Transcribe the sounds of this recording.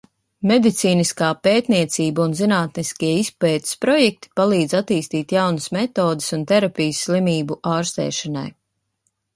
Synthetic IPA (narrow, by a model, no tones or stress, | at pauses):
mɛd̪it̪siːniskaːpeːt̪niɛt̪siːbaunzinaːt̪niskʲiɛispɛːt̪i̥spɾɔjɛk̚t̪i̥palˠiːd̪at̪iːst̪iːt̪jawnəsmɛt̪oːd̪ɪ̥sunt̪ɛɾapʲijsːlˠimiːbuʔaːɾst̪ɛ̰ːʃana̰j